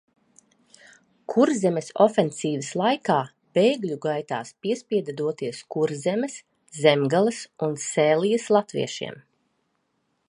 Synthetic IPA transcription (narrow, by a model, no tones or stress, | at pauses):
kʰuɾzɛmesɔfensiːvəslˠajkaː | b̥ejɡlʲuɡajt̪a̰ːspiɛspʲiɛd̪ad̪uɔt̪iɛskuɾzɛmɛs | zɛmɡalˠɨsunsɛːlˠijɐslˠat̪vḭɛʃḭɛm